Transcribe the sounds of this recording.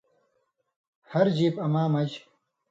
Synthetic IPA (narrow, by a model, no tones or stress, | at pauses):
hɐɾd͡ʑiːpɐmaːmɐd͡ʑ